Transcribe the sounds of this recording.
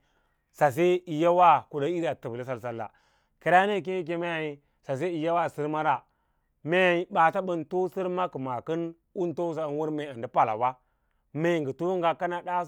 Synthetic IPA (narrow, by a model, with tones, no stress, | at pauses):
sa˨s̬e˦i˨ja˦wa˦ku˨da˨˦i˦da˨tə˨bli˦s̬a˨ls̬a˨lːa̰˨ | ki˨ɾa˦ne˦˨k̬i˦ni˦k̬e˦ma˦ja˨ji˦ | sa˨s̬e˦i˨ja˦wa˦˨si˦ɾma˦ɾa˦˨ | me˦ja˨i˦ba˨ta˦ɓə˦nto˦si˦ɾma˦kə˨ma˨kə˦n | u˦n˦to˦s̬a˦˨n˦wu˦ɾme˨a˨ndi˦pa˨la̰˨wa˦ | me˨ŋɡi˨tu˦ŋɡa˨ka˦na˦da˦